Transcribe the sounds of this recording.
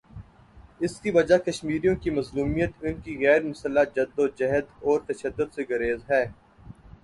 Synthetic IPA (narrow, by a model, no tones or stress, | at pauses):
ɪskiʋɐd͡ʒakɐʃmiːɾijõkimɐzluːmijət̪ʊnkiɣɛːɾmʊsəlːad͡ʒɐd̪ːod͡ʒɐɦəd̪ɔːɾt̪ɐʃəd̪ːʊd̪seɡɐɾeːzɦɛː